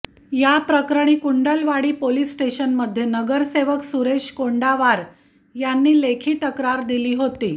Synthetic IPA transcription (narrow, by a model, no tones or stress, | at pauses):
japɾəkɾəɳ̃iːkuɳɖəlʋaɽiːpoliːsʈeɕənməd̪ʱːjenəɡəɾseʋəksuɾeɕkoɳɖaʋaɾ | janːiːlekʰiːt̪əkɾaɾd̪iliːɦot̪ḭː